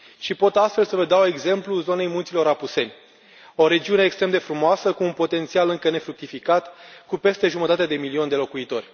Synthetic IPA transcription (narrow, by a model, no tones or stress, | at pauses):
ʃipo̞t̪ast̪fe̞lsəvəd̪awe̞ɡze̞mpluzo̞ne̞jmunt̪silo̞ɾapuse̞nʲ | o̞ɾe̞d͡ʒiune̞ːkst̪ɾe̞md̪e̞fɾumoasəkuːnpo̞t̪e̞nt̪sialɨŋkəne̞fɾuk̚t̪ifikat̪kupe̞st̪e̞ʒumət̪at̪ed̪e̞milio̞nʲd̪e̞lo̞kuit̪o̞rʲ